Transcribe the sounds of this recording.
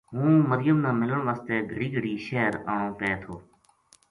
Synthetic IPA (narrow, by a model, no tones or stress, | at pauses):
ɦũːməɾɪjəmnãːmɪləɳʋaːst̪eːɡʱəɽiːɡʱəɽiːʃeːɾaːɳ̃õːpeːt̪ʰoː